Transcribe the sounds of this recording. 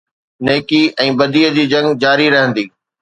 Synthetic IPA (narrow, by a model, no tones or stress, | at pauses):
neːkiʔɛ̃ːbɐd̪iːəd͡ʑiːd͡ʑɐ̃ŋɡd͡ʑaːɾiɾɐɦə̃nd̪iː